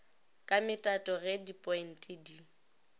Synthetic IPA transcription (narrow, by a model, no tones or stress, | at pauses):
kʼamɪtʼatʼɔɣɛdipʼɔjn̩tʼidi